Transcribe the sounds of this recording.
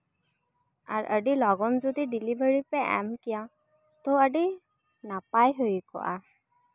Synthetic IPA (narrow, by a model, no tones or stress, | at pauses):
a̰ɹʔəɖilɔɡɔnzod̪iɖilibʱəɹipɛɛ̰mkija | t̪oəɖi | napajɦojkɔ̰ʔa̰